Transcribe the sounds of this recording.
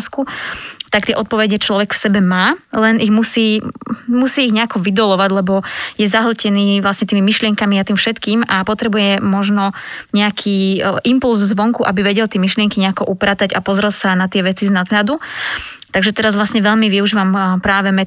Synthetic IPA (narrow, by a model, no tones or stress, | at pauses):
skut̪ak̚t̪ɪɛʔɔt̪̚pɔʋɛɟɛt͡ʃlɔʋɛkfsɛbɛmaːlɛniɣmusiːmusiːɣɲɛakɔʋid̪ɔlɔʋaɟlɛbɔjɛzaɦl̩cɛniːʋlasɲɛt̪iːmimiʃlɪɛŋkamiat̪iːmfʃɛt̪kiːmapɔt̪ɾɛbujɛmɔʒnɔɲɛakʰiːʔimpulzzʋɔŋkuʔabiʋɛɟɛlt̪ɪɛmiʃlɪɛŋkiɲɛakɔʔupɾaːt̪aɟapɔzɾɛlsanat̪ɪɛʋɛt͡siznad̪ɦʎad̪u | t̪aɡʒɛt̪ɛɾazʋlasɲɛʋɛʎmiʋiuʒiːʋampɾaːʋɛmɛ